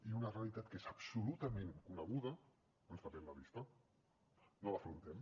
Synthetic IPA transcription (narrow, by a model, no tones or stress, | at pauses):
iunarealit̪at̪kezapsulut̪ɐmẽŋkunəɣ̞uðɐ | onspapɛmlaβist̪ɐ | nolafɾunt̪ɛm